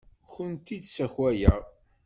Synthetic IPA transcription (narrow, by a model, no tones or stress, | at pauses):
çənt̪id̪sæçwæjæʁ